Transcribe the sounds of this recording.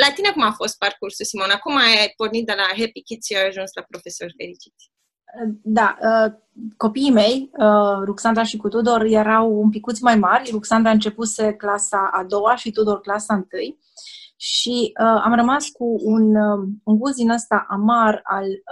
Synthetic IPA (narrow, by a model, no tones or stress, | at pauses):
lat̪ine̞kumafo̞st̪̚parkursulsimo̞nakumajpo̞rnit̪̚d̪e̞laɦepikʲit̪ʃiajaʒunslapɾo̞fesorʲfeɾit͡ʃi̥t̪ʲ | d̪aə | ko̞piːme̞jəɾuksand̪ɾaʃikut̪ud̪o̞rje̞ɾawump̬ikut̪sʲmajmarʲruksand̪ɾaɨnt͡ʃe̞puse̞klasaʔad̪o̞waʃit̪ud̪o̞rklasaɨnt̪ɨj | ʃiəa̰mrəmaskuunuŋɡusd̪inəst̪aʔamaral